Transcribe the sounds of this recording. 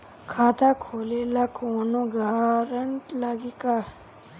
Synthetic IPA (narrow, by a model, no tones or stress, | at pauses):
kʰaːt̪akʰolelakoːnõɡaːɾəɳʈlaɡika